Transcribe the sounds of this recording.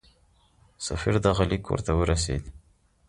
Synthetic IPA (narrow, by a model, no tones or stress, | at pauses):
safiɾd̪aɣalikʰːo̰ɾt̪awəɾas̬ḛd̪